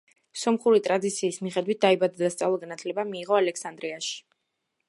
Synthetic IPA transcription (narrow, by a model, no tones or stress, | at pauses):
sɔmχuɾit̪ʼɾad̪it̪sʰiːsmiχɛd̪wit̪̚d̪̥aibad̪ad̪ast̪sʼalˠɔɡanat̪ʰlɛbamiːʁɔalɛksand̪ɾiaʃi̥